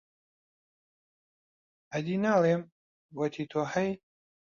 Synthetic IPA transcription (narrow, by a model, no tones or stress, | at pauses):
ɐd̪iːnaːlˠeːm | wɐt̪ʰiːt̪ʰohɐj